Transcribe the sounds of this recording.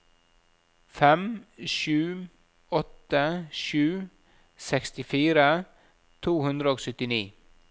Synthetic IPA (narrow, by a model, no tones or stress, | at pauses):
fɛmʃʉː | ɔt̪ːəʃʉː | sɛkst̪ɪfiːɾə | t̪ʰuːhʉnd̪ɾəoːɡsʏt̪ːɪnḭː